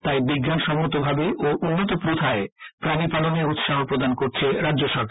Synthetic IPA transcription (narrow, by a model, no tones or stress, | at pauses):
t̪ajbiɡːanʃɔmoɾt̪obʱabeʔoʔunːot̪̬opɾot̪ʰaepɾanipaloneɾut̪ʃaɦopɾod̪ankoɾt͡ɕʰeɾadːd͡ʑoʃɔɾkʰaɾ